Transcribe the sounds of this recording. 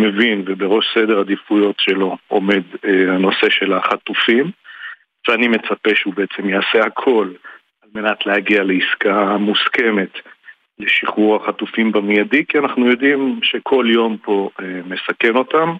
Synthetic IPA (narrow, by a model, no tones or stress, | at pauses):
me̞vinvebeʁo̞ʃsed̪e̞ʁhad̪ifujo̞tʃe̞lo̞ome̞d̪eano̞se̞ʃe̞laχat̪ufim | veanime̞t͡sape̞ʃeubeet͡se̞mjaase̞hakʰo̞l | alme̞nat̪leaɡialeiskamuske̞me̞t̪ | leʃiχuʁaχatufimbamijadikianaχnujo̞dimʃe̞kʰo̞ljo̞mpo̞eme̞sake̞no̞t̪am